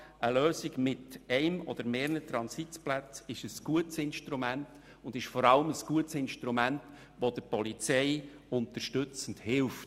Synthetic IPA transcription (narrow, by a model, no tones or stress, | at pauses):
əløːsiɡmɪtɛɪmɔd̪əɾmeːɾənət̪ɾɑnsitplæt͡sɪʃəsɡ̥uətsɪnʃtɾumænt | ʊnd̥ɪʃfɔɾɑləməsɡ̥uətsɪnʃtɾumænt | ʋod̥̪əpɔlit͡sɛɪʊnt̪əɾʃtɵt͡sn̩dhɪlft